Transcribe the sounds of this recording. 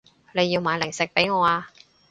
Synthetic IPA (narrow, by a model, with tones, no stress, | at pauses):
le˨˧jːiː˧wmaː˨˧jlɪ˨˩ŋsɪ˨k̚pe˨˥jŋɔː˨˧aː˧